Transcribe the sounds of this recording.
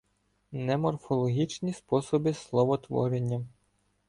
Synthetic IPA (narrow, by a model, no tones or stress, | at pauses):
nɛmɔrfɔlˠɔɦʲit͡ʃnʲispɔsɔbɪslˠɔʋɔt̪ʋɔ̰ɾenʲːɐ